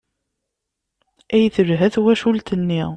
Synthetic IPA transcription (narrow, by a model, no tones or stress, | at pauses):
æjθəɾɦæθwæʃult̪ənːi